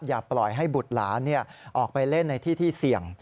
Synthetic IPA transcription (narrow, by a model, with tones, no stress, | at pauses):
jaː˨˩plɔ˨˩jɦa˥˩jbu˨˩t̪̚la̰ː˩˦nːi˥˩ɐʔɔː˨˩k̚pa˧jle˥˩nːa˧jt̪ʰiː˥˩t̪ʰiː˥˩si˨˩əŋ